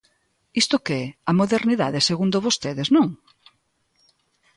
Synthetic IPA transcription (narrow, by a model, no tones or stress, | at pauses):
ist̪ʊkɛɐmoðeɾniða̰ðeseɣund̪oβost̪eðeznõŋ